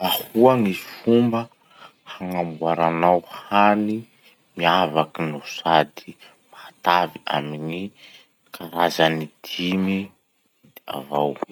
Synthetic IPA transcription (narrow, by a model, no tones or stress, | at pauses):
ahuaŋisi̥fumbə | haŋambuaɾanawhani | miavakinusad̪i | maat̪avia̰mini | kʰaɾazanid̪̥imi | d̪̥ea̰vaw